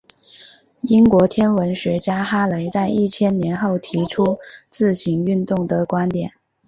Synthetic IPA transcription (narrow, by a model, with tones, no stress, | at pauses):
i˥nkwɔ˧˥t̪ʰjɛ˥nwə˧˥nʂɻ̩˧˥t͡ɕja˥xa˥le˧˥ɪt͡sa˥˧ɪi˥˩t͡ɕʰjɛ˥nnjɛ˧˥nxo˥˩ʊt̪ʰi˧˥ʈ͡ʂʰu˥t͡sɹ̩˥˩ɕi˧˥ŋy˥˧nt̪ʊ˥˩ŋd̪ə˩kwa˥nt̪jɛ˨˩˦n